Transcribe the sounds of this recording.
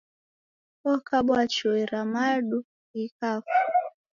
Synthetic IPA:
ɔkaɓwat͡ʃuiɾamaɗu | ikafu

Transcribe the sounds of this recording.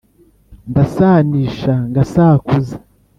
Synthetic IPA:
ndasaːniːʃaŋɡasaːkuze

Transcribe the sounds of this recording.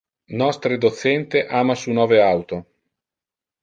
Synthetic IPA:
nɔst̪ɾed̪ot̪sɛnt̪eʔaːmasunɔːveawt̪o

